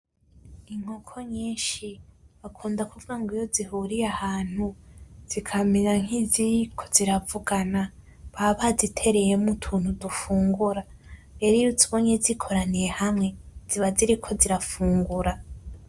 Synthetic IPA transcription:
iŋ̥hokʰo̞ɲiːnʃiβakʰuːndakuvuɡaŋɡijo̞ziɦuɾijahaːn̥huz̥ikʰaminaŋ̥hiziɾikʰo̥ziɾavuɡana | βaβazitʰe̞ɾe̞jemutʰuːnhudufuːŋɡuɾa | ɾe̞ɾijut͡suβoɲezikʰo̞ɾanije̞hamŋe̞z̥iβaziɾikʰo̞ziɾafuːŋɡuɾa

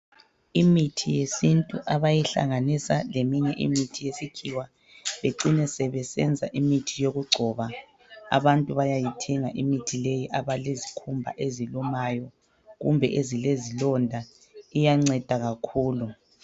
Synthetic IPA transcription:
imitʰijesintʼuʔaβajiɬa̰ŋanisalemiɲɛʔḭmitʰijesikʰiwa | βeǀinɛsɛβɛsɛ̰nd͡zʱaʔimitʰijoɣuɡ͡ǀʱɔːβa | a̰βantʼuβajajitʰɛŋaʔimitʰilejiʔaβalezikʰumbʱa̰ʔezilumajɔ | ɣṵmbʱɛʔezilezilɔndʱa | ijaŋ͡ǀɛd̥ʱaɣakʰuːlu

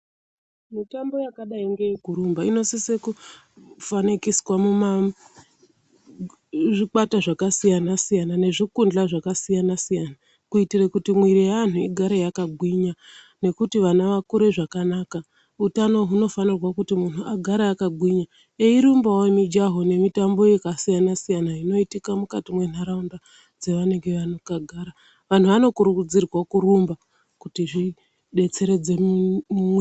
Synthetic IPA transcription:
mitambo̞jakaɗaiŋɡeikuɾumbaino̞siseku | fanikiswamuma | ʐik͡pataʐakasijanasijanane̞ʐikund͡ɮaʐakasijanasijana | kuitirakutimwiɾijaan̤uiɡʱaɾejakaɡʱwiɲa | ne̞kutiʋanaʋakuɾe̞ʐakanaka | utano̞ɦuno̞fanirwakutimun̤uaɡʱaɾaːkaɡʱwiɲa | eiɾumbawemid͡ʒaɦo̞ne̞mitambo̞jekasijanasijanaino̞itikamukatimwe̞naɾaunda | d͡zeʋane̞ŋɡe̞ʋanokaɡʱaɾa | ʋan̤uʋano̞kuɾukud͡zirwakuɾumba | kutiʐi | ɗe̞t͡se̞ɾe̞d͡zem

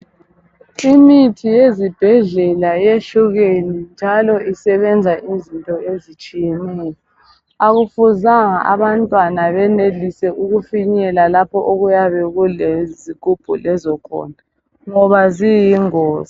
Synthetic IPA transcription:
imitʰijezib̥ʱɛɮɛlajeɬuɣenind͡ʒʱalɔʔisɛβɛnd͡zʱaʔizintʼɔezit͡ʃʼijɛnɛːjɔ | aɣufuzaŋaʔaβantʼwanaβɛnelisɛʔuɣufiɲɛlalapʰɔʔoɣujaβɛɣulezikub̥ʱṵlɛzɔkʰɔ̰ndʱa | ŋɔβazijiŋɔːza

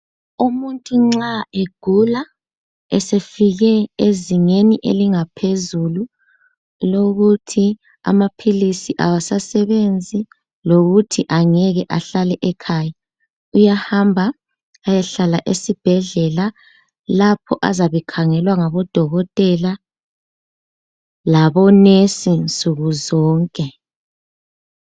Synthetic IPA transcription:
umuntʼuŋ͡ǁaeɡ̥ʱula | ɛsefiɣɛeziŋeniʔḛliŋapʰezulu | loɣutʰi | a̰mapʰilisiʔa̰wasasɛβend͡zʱi | loɣutʰiʔaŋɛɣɛʔaɬalɛʔɛkʰaːja | ujahambʱa | ajaɬalaʔesib̥ʱɛɮɛla | lapʰɔʔazaβɛkʰaŋɛlwaŋaβɔd̥ʱɔɣɔtʼɛla | laβɔnesint͡sʼuɣuzɔːŋkʼɛ

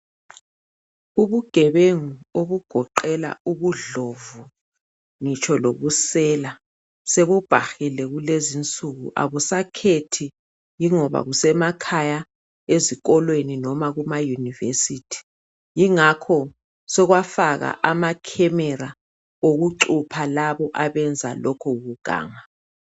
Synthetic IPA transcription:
uβuɡ̥ʱɛβeŋuoβuɡ̥ʱɔǃɛla̰uβuɮovu | ŋit͡ʃʰʼɔloβusɛːla | seβub̥ʱaxilɛɣulezint͡sʼuɣṵʔa̰βusakʰetʰi | jiŋɔβa̰ɣusɛmakʰaja | eziɣɔlweninɔmaɣumajunivḛsitʰi̥ | jiŋakʰɔ | sɔɣwafaɣa̰ʔamakʰɛmɛɾa | oɣuǁupʰalaβɔʔaβɛnd͡zʱa̰lɔkʰɔuɣuɡ̥ʱa̰ːŋa

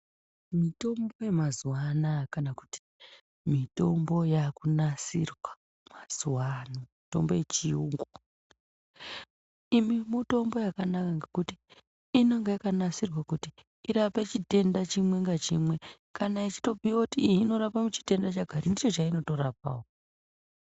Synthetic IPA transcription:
mito̞mbo̞je̞mazuwanakanaku̥ti̥ | mito̞mbo̞jakunasirwa | maz̥uwanamito̞mbo̞je̞t͡ʃiuŋɡu | imimuto̞mbo̞jakanakaŋɡekutiː | noŋɡajakanasirwakuti | iɾapet͡ʃite̞ndat͡ʃimwe̞ŋɡat͡ʃimwe | kanait͡ʃi̥to̞piwakutiːiːno̞ɾapamut͡ʃi̥te̞ndat͡ʃaɡʱaɾindit͡ʃo̞t͡ʃaino̞to̞ɾap̚awo

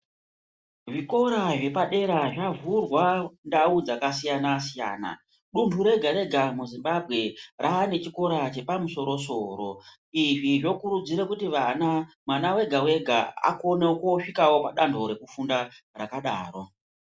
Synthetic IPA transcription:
ʐiko̞ɾaʐe̞paɗe̞ɾaʐavurwandaud͡zakasijanasija̰ːna̰ | ɗuntuɾe̞ɡʱaɾe̞ɡʱamuzimbabʱɣe̞raːne̞t͡ʃiko̞ɾat͡ʃe̞pamuso̞ɾo̞so̞ːɾo̞ | iʐiʐo̞kuɾud͡ziɾekutiʋana | mwanawe̞ɡʱawe̞ɡʱa̰a̰ko̞nekoʂikawo̞paɗandʱo̞ɾe̞kufunda | rakaɗa̰ːro̞

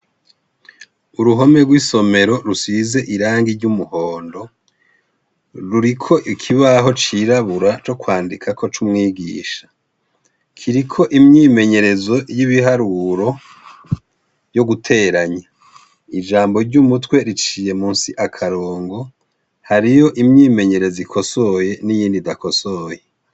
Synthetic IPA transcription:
uɾuɦo̞me̞ɡwiso̞me̞ɾo̞ɾusize̞ʔiɾaːŋɡiɾɟumuho̞ːndo̞ | ɾuɾikʰo̞ʔikʰiβaɦo̞t͡ʃiːɾaβuɾat͡ʃo̞kwaːndikʰakʰo̞t͡ʃumŋiːɡiːʃḁ | kʰiɾikʰo̞ʔimɲiːme̞ɲe̞ɾe̞zo̞jiβiɦaɾuɾo̞ | jo̞ɡutʰe̞ɾaɲa | id͡ʒaːmbo̞ɾɟumutwe̞ɾit͡ʃiːje̞muːnsiʔakʰaɾoːŋɡo̞ | haɾijo̞ʔimɲiːme̞ɲe̞ɾe̞zikʰo̞so̞je̞nijiːndidakoso̞je

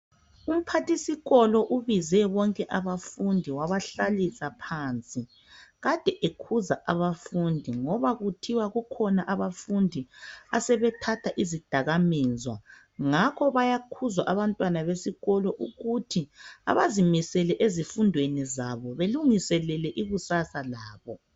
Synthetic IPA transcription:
um̩pʰatisiɣɔlɔʔuβizɛβɔŋkʼɛʔaβafundʱiwaβaɬalisapʰant͡sʼi | ɣad̥ʱɛʔekʰuzaʔaβafundʱiŋɔβaɣutʰiwaɣukʰɔnaʔaβafundʱiasɛβɛtʰatʰaʔizid̥ʱaɣamɛːzwa | ŋakʰɔβajakʰuzwaʔaβantʼwanaβesiɣɔlɔʔuɣutʰia̰βazimisɛlɛʔezifundʱwenizaβɔβeluŋisɛlɛlɛʔiɣusasalaːβɔ

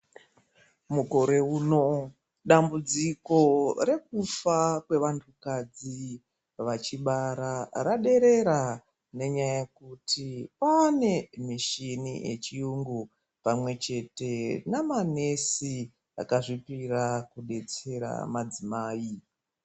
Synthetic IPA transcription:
muko̞ɾe̞uːno̞ | ɗambud͡ziko̞ɾe̞k̚ufakwe̞ʋantʰukad͡zi | ʋat͡ʃiɓaɾaraɗe̞ɾe̞ɾa | ne̞ɲaajekutʰipaːne̞miʃinḭje̞̰t͡ʃijuŋɡu | pamwe̞t͡ʃe̞te̞namane̞si | a̰kaʐipiɾakuɗe̞t͡se̞ɾa̰mad͡zimaːi

